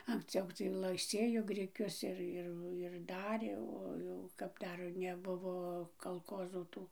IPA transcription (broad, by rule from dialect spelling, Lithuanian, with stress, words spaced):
ɐŋksʲˈt͡sʲɛʊ tɐɪ ˈlˠɐɪ ˈsʲeːjoː ɡrʲɪˈkʲʊs ɪr ˈɪr ɪr ˈdɑːrʲeː oː ˈjɛʊ kɐp ˈdɐr nʲɛˈbʊʋoː kɐlˠˈkoːzuː ˈtuː